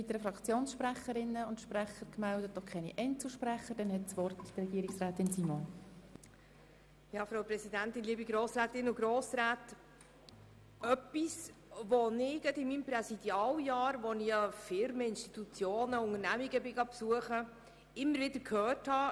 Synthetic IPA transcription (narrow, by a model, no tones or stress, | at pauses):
viːt̪əɾəfɾɑkt͡sjoːnsʃpɾæχəɾɪnːəʊnt̪ʃpræχəɾkmældətdɔχkʰχɛnḭʔɛɪnt͡sl̩ʃpræχəɾd̥ɛnhɛtsʋɔrtrɛɡiəɾɪksɾaːt̪ɪnsimo | jɑːfɾaʊpɾɛsid̪ænt̪ɪnliːbiɡɾoːsɾæːt̪ɪnʊɡɾoːsɾæːt | œpisʋonɪɡ̥ɛdɪmimpɾɛsid̪jɑːljɑːɾʋoniɑfɪɾməɪnʃtit̪ut͡sjoːnəʊŋəɾnæmiɡəbɪɡɑpsuəχə | ɪmːəɾvɪd̪əɾkʰhœːrthɑ